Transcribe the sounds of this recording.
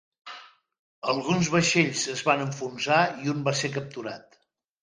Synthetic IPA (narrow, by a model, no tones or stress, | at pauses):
əlˠɣunzβəʃeʎzəzβanəɱfunsaiumbasekəp̚t̪uɾat̪